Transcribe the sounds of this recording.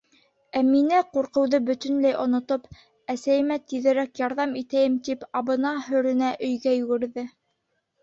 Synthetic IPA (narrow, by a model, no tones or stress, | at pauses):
æminæquɾqɤ̆wðɤbɵ̆t̪ɵ̆nlæjʔŏnŏt̪op | æsæjɘ̆mæt̪iðɘ̆ɾækjɑɾðɑmit̪æjɘmt̪ipɑβɤ̆nɑhɵ̆ɾɘ̆næʔɵ̆jɡæjʉ̆ɡɘ̆ɾðɘ